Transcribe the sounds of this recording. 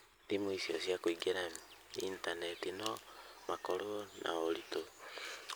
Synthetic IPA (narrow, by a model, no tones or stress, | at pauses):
ndimuisiosjakwiɡeɾaintanetinomakoɾonʔa̰olito